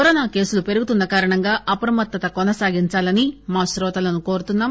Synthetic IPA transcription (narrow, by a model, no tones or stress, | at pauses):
ɔɾɔːnaːke̞ːsulupe̞ɾuɡut̪unːɐkaːɾɐɳɐŋɡaːʔɐpɾɐmɐt̪ːɐt̪ɐkɔnɐsaːɡiɲt͡ʃaːlɐnimaːʃɾɔːt̪ɐlɐnuko̞ːɾut̪unːaːm